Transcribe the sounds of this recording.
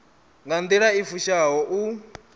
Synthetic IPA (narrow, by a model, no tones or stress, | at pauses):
ŋɡand̪iɺaifuʃaɦɔʔu